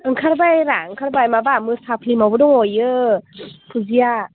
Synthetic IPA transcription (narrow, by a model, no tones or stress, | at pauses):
ɯŋkʰaɾbajɾa̰ɯŋkʰaɾbajmabamɯsapʰlimawbɯdɔŋojɯ | pʰuzija